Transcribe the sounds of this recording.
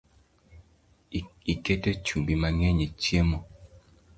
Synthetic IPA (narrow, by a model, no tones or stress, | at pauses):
ikɛtɛt͡ʃumbimaŋɛɲɛtiemɔ